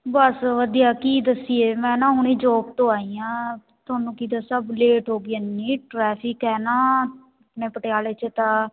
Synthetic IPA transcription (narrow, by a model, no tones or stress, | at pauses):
bəsʋəd̪ijaːkiːd̪əsieːmɛ̃ːnãːɦuniːd͡ʒoːk̚t̪õːaːijãː | t̪ʊaːnũːkiːd̪aːsəbleːʈɦoːɡɪanːiːʈɾɛːpʰɪkɛːnaː | əpɳeːpəʈeaːleːt͡ʃət̪ãː